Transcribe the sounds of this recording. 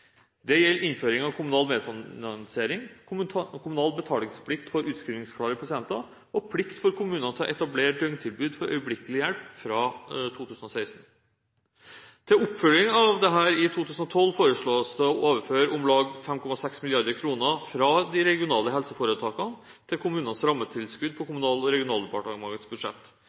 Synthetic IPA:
d̪ɛjɛlːʔɪnføːɾɪŋɑʋkʰʊmʉnɑːlmeːd̪fɑnɑnseːɾɪŋ | kʰʊmʉnɑːlbət̪ʰɑːlɪŋspʰlɪkt̪fɔɾʉːt̪skɾiːʋnɪŋskʰlɑːɾɪpʰɑsɪɛnt̪ɑ | ɔpʰlɪkt̪fɔɾkʰʊmʉːnnɑt̪ʰɑʔɛt̪ɑbleːʈ̚d̪œŋt̪ʰɪlbʉːd̪fɔɾʔœ̰ʏəblɪkəlɪjɛlpfɾɑt̪ʰuːt̪ʰʉːsənɔsæɪst̪n̩ | t̪ʰɪlʊpːfœlɪŋɑʋd̪ɛɦæːɾɪt̪ʰuːt̪ʰʉːsnɔt̪ʰɔlːfoːɾəʂɭoːsd̪əɔʔoːʋəɾføːɾʊmlɑːɡfɛmkʰɔmɑsɛksmɪljɑɾd̪əɾkʰɾuːnəfɾɑːd̪ɪɾɛɡɪʊnɑːləɦɛlsəfoːɾət̪ʰɑːkɑn | t̪ʰɪlkʰʊmʉːnənsɾɑmːət̪ʰɪlskʉd̪̚pʰɔkʊmʉnɑːlɔɾɛɡɪʊnɑːld̪ɛpʰɑʈɳɑmɑɡət̪sbʉd̪ʂɛ̰t̪ː

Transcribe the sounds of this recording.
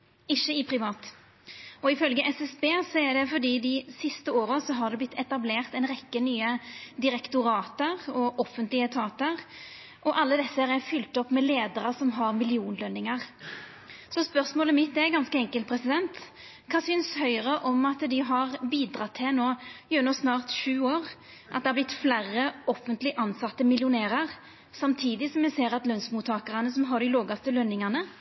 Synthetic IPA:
ɪçːəɪpʰɾɪʋɑːt̪ | ɔɪfœlɡəʔɛsɛsbeːsɔæɖ̪ɛfɔd̪iːd̪ɪsɪst̪əoːɾəsɔɦɑd̪ɛblɪt̪ʰːɛt̪ɑbleːʁt̪ɛɪnɾɛkːənyːəd̪ɪɾɛkt̪ʊɾɑːt̪əʁɔʔɔfːənt̪lɪət̪ʰɑːt̪əɾ | ʔɔʔɑlːəd̪ɛsːəhæɾæfʏlt̪ɔpːmɛleːd̪əɾəsɔmɦɑʁmɪlɪuːnlœnːɪŋəʁ | sɔspœɾsmoːləmɪt̪dɛɡɑnskəɛŋkəlt̪pʰɾɛsɪd̪ɛnt̪ | kʰɑːsʏnshœʏɾəʔɔmɑt̪d̪ɪɦɑʁbiːd̪ɾɑt̪ʰːɪnoːjʉnɔsnɑːʁt̪ʃʉːoːʁ | ʔɑ̰t̪d̪ɛhɑblɪt̪ːflærəɔfːənt̪lɪʔɑnsɑt̪ːəmɪljʊneːɾɑʁ | sɑmt̪ʰiːd̪ɪsɔmjɛseːɾɑt̪lœnsmuːt̪ʰːɑːkəʁənəsɔmɦɑd̪ɪloːɡɑft̪əlœnːɪŋɑnə

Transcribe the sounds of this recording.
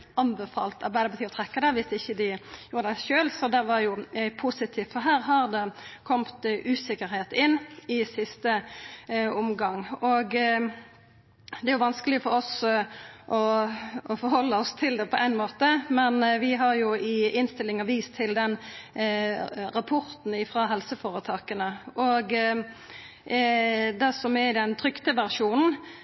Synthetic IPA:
ɑnbɛfɑ̰ːlt̪ʰɑ̰ɾbæɪd̪əpɑt̪iːɔt̪ʰʁɛkːɑd̪ɛʋɪsɪçːəd̪ɪjuːɾəd̪æʃøːlsɔd̪ɛʋɑjʊpʰusɪt̪ʰiːft̪fɔɦæːɾɦɑɾd̪ɛkʰɔmt̪ʔʉːsɪkəɾheːt̪ɪnːɪsɪst̪ə | ʊmɡɑŋɔɡ | d̪ɛæɾjʊʋɑnskəlɪfɔɾɔs | ʔɔɔfɔɾhɔlːəɔst̪ʰɪld̪ɛpʰɔʔæɪnmoːt̪əmɛnʋɪɦɑɾjʊɪɪnst̪ɪlːɪŋɑʋiːst̪ʰɪld̪ɛn | ɾɑpʰʊɾt̪n̩ɪfɾɑːɦɛlsəfoːɾət̪ʰɑːkənəʔɔɡ | d̪ɛsɔmɛd̪ɛnt̪ʰɾʏkt̪əʋæʁʂuːnn̩

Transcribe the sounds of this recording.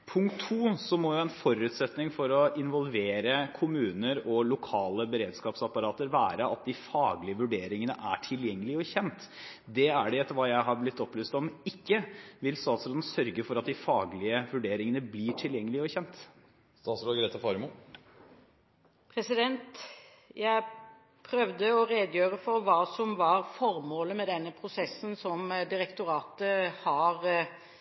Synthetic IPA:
pʰʊŋkt̪ʰːuːsɔmɔjʊɛnfɔɾʉːt̪sɛt̪nɪŋfɔɾɔɪnʋɔlʋeːɾəkʰʊmʉːnəɾɔlʊkʰɑːləbəɾeːd̪skɑːpsɑpːɑɾɑːt̪əɾʋæːɾəɑt̪̚d̪ɪfɑːɡlɪəʋʉɖeːɾɪŋənəʔæʈʰɪljɛŋːəlɪɔçɛnt̪ | d̪ɛæɖɛɛt̪ːəɾʋɑːjæɪɦɑɾblɪt̪ːɔplyːst̪ɔmɪkːəʋɪlst̪ɑːt̪sɾoːd̪n̩sœɾɡəfɔɾɑt̪̚d̪ɪfɑːɡlɪəʋʉɖeːɾɪŋənəbliʈʰɪljɛŋːəlɪɔçɛnt̪ | st̪ɑːt̪sɾɔɡɾeːt̪ɑfɑːɾəmu | pʰɾɛsɪd̪ɛnt̪ | jæɪ | pʰɾœʋd̪əɔɾeːd̪jøːɾəfɔɾʋɑːsɔmʋɑɾfɔɾmoːləmɛd̪ɛnːəpʰɾʊsɛsənsɔmd̪ɪɾɛkt̪ʊɾɑːt̪əhɑɾ

